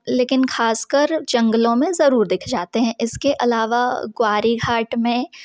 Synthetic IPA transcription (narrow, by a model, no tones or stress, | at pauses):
leːkɪnxaːskəɾd͡ʒɐ̃ŋɡəlõmẽzɐɾuːɾd̪ɪkʰd͡ʒaːt̪eɦɛ̃ʔɪskeʔɐ̰laːʋaɡwaːɾiɡʱaːʈmẽ